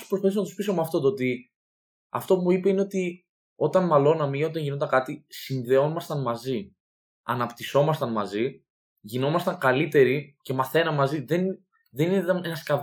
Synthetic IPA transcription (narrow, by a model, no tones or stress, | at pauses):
spɾopaθis̬onɐt̪u̥spisomeɐft̪o̞t̪oot̪i | ɐ̰ft̪o̞pumuipe̞ine̞o̞t̪i | o̞t̪ɐnmɐlo̞nɐmio̞t̪̬ɐɲʝinod̪ɐkɐt̪isinðe̞o̞mɐst̪ɐnmɐzi | ɐ̰nɐpt̪iso̞mɐst̪ɐnmɐzi | ʝino̞mɐst̪ɐŋkɐlit̪e̞ɾice̞mɐθe̞nɐmɐziðen | ðe̞ninet̪ɐne̞nɐskɐv